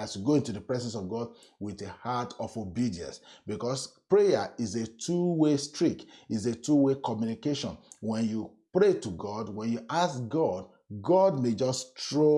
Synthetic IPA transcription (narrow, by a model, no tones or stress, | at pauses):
asuɡoĩntudəpɹɛzɛ̃nsɔvɡɔd̚ | witehatɔfobidiɛ̰̃nsbikɔspɹejaizetʰɹuwestɹikizetuwekɔmjunikeʃɔ̰̃nwɛ̃nju | pɹetuɡɔdwɛ̃njuʔasɡɔd | ɡɔdmed͡ʒɔstɹo